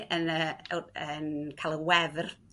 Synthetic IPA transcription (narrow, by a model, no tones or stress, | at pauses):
ʔənəənkʰalˠəwɛvr